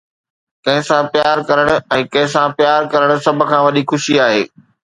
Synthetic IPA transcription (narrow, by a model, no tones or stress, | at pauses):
kɐ̃ɦɪ̃sãpjaːɾkɐɾəɽ̃̆ɛ̃ːkɐ̃ɦɪ̃sãpjaːɾkɐɾəɽ̃̆sɐbʱʊ̆kʰãːʋɐɗixʊʃiaːɦeː